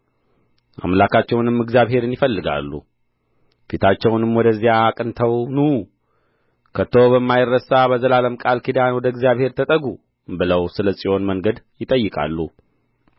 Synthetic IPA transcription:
ʔa̰mlakat͡ʃːɛwnɨmːɨɡzjaβɦe̞ɾɨnjɪfəlːɨɡa̰lːṵ | fit̪ʰat͡ʃːɛwnɨmwɔd̪əzːijaːkʼɨnt̪ʰəwnu | kʰət̪ʰoβəmːajɪrːəsabəzəlaləmkʼalkʰid̪anwɔd̪əɨɡzijaβhe̞ɾt̪ʰət̪ʼəɡu | bɨləwsɨləsʼiʔo̞nməŋɡəd̪jɪt̪ʼəjːɨkʼa̰lːu

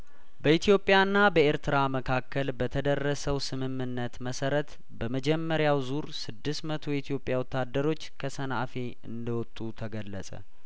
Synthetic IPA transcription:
bəit̪ʰijo̞pʼːjanːabəeɾt̪ʰɨɾaməkʰakʰːəlbət̪ʰəd̪ərːəsəwsɨmɨmːɨnːət̪məsəɾət̪ | bəməd͡ʒɛmːəɾjawzuɾsɨd̪ːɨst̪mət̪ʰo̞it̪ʰijo̞pʼjawɔt̪ːad̪ːəɾo̞t͡ʃːkʰəsəna̰fe̞ | ɨnd̪əwɔt̪ʼːut̪ʰəɡəlːəsʼə̰

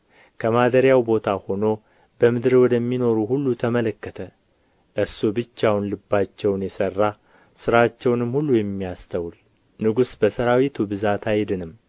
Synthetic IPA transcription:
kʰəmad̪əɾjawbo̞t̪ʰaho̞no̞ | bəmɨd̪ɾwɔd̪əmːino̞ɾuhulːut̪ʰəmələkːət̪ʰə | ʔɨsubɨt͡ʃːawunlɨbːat͡ʃːɛwnjɛsərːa | sɨɾat͡ʃːɛwnɨmhulːujɛmːijast̪ʰəwul | nɨɡusbəsəɾawit̪ʰubɨzat̪ʰajd̪ɨnɨm

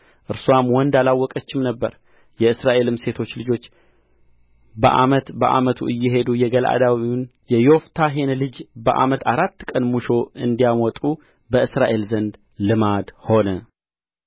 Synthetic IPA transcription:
ʔɨɾswamwɔnd̪alawːɔkʼət͡ʃːɪmnəbːəɾ | jɛɨsɾaʔe̞lɨmse̞t̪ʰo̞t͡ʃːlɨd͡ʒo̞t͡ʃː | bəʔa̰mət̪bəʔa̰mət̪ʰṵʔɨjːɪɦe̞d̪ujɛɡəlʔa̰d̪awin | jɛjo̞ft̪ʰaɦe̞nlɨd͡ʒbəʔa̰mət̪ʰaɾat̪ːkʼənmuʃo̞ɨnd̪ijamɔt̪ʼu | bəɨsɾaʔe̞lzənd̪ | lɨmad̪ho̞nə

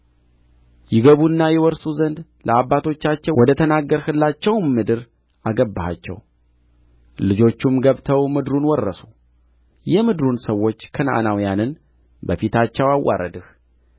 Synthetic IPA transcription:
jɪɡəβuɨnːajɛwɔɾsuzənd̪ | lʔəabːat̪ʰo̞t͡ʃːat͡ʃːɛwɔd̪ət̪ʰənaɡːəɾhɨlːat͡ʃːɛwmɨd̪ɨɾ | aɡəbːaha̰t͡ʃːɛ̰w | lɨd͡ʒo̞t͡ʃːumɡəβt̪ʰəwmɨd̪ɾunwɔrːəsu | jɛmɨd̪ɨɾunsəwːo̞t͡ʃːkʰəna̰ʔanawjanɨn | bəfit̪ʰat͡ʃːɛwawːa̰ɾə̰d̪ɨh

